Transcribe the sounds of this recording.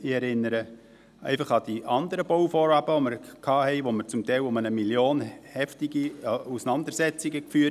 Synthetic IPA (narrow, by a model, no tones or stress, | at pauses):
iɛɾɪnːəɾə | ʔɛ̰ɪfɑχɑd̥iʔɑnd̪əɾəboʊfɔɾɑbəʋoməɾkʰɑːhɛɪʋoməɾt͡sʊmtɛɪlʊmənəmiljoːnhɛftiɡiusənɑnd̪əɾsɛt͡siɡəkfyː